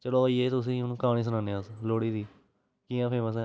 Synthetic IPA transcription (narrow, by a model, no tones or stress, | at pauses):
t͡ʃəloːieːt̪ʊs̬ĩːʊnũːkaːɽ̃iːs̬ənãːneəsloːɽiːd̪iː | kiːãːpʰeːməs̬ɛ̃ː